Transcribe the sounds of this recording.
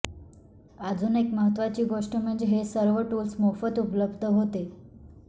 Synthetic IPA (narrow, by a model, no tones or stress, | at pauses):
ad͡zuːnekməɦət̪ʋat͡ɕiːɡoʂʈəm̤əɳd͡zeɦesəɾʋəʈulsmofət̪upləbd̪ʱəɦot̪e